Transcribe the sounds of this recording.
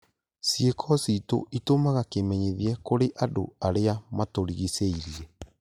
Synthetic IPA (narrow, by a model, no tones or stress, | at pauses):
siekʰɔsito̰ʔitomaɣakemɛɲeðiɛkoɾeʔado̰aɾeamatoɾiɣiseiɾiɛ